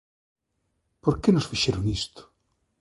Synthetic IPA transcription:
poɾkenosfiʃeɾoŋist̪ʊ̥

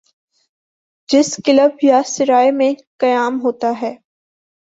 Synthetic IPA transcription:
d͡ʒɪskɪləbjasɪɾaːjmẽkɐjaːmɦoːt̪aɦɛː

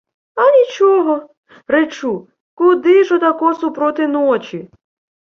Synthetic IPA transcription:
ɐnʲit͡ʃɔɦɔ | ret͡ʃu | kʊd̪ɪʒɔd̪ɐkɔsʊpɾɔt̪ɪnɔt͡ʃʲi

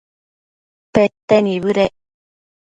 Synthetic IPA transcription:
pet̪ːeniβɯɾe

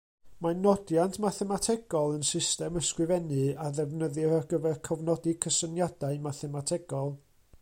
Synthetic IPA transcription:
manɔdjantʰmaθɛmatʰɛɡɔlˠənsɪstɛməskrɨvɛnɨaðɛvnəðɨɾaɡəvɛrkʰɔvnɔdikʰəsənjad̥aɨmaθɛmatʰɛɡɔlˠ

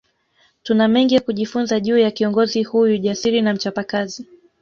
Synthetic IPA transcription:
tunamɛŋɡijakuʄifunzaʄuːjakiɔŋɡɔzihujuʄasiɾinam̩t͡ʃapakazi

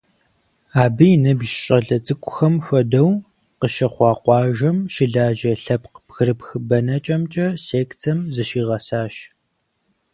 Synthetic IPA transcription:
aːbɨjɪnɨbʒɕʼɐɮɐt͡sʼɨkʷʼʊxɐmfʷɐdɐw | qəʃɐχʷɑːqʷɑːʒɐmʃɪɮaːʒɐɬɐpqbxɨɾɨpxɨbɐnɐt͡ʃʼɐmt͡ʃʼɐseːktʰɐmzɐʃiːʁɐsaːʃ

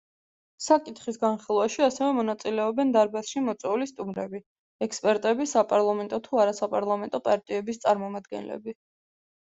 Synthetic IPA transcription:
sakʼit̪ʰχisɡanχilˠwaʃiasɛvɛmɔnat̪sʼilɛɔbɛnd̪aɾbasʃimɔt̪sʼwɛulist̪ʼumɾɛ̰bi | ɛkspʼɛɾt̪ʼɛbisapʼaɾlˠamɛnt̪ʼɔt̪ʰuaɾasapʼaɾlˠamɛnt̪ʼɔpʼaɾt̪ʼiɛbist̪sʼaɾmɔmad̪ɡɛ̰nlɛ̰bi

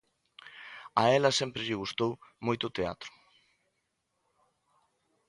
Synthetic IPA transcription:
ɐɛlɐsempɾɪʎɪɣ̞ust̪owmojt̪ʊt̪ea̰t̪ɾʊ̥

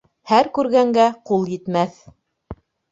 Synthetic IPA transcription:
hæɾkʉɾɡæŋɡæqulˠjɘ̆t̪mæθ

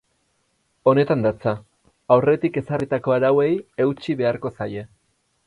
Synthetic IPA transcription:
o̞ne̞t̪and̪at͡sa | awre̞t̪ike̞sarit̪ako̞aɾawe̞je̞wt͡ʃiβe̞aɾko̞saje̞

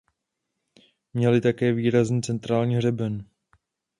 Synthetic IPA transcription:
mɲɛlɪt̪akɛːviːɾazniːt͡sɛnt̪ɾaːlɲiːɦr̝ɛbɛn

